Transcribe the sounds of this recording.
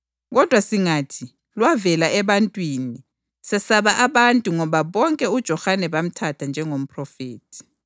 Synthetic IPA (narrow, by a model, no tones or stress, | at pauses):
ɣɔd̥ʱwasiŋatʰi | lwavɛlaɛβantʼwiːni | sɛsaβaʔaβantʼuŋɔβaβɔŋkʼɛud̥ʒ̥ʱɔxanɛβam̩tʰatʰand͡ʒʱɛŋom̩pʰʼrɔfeːtʰi̥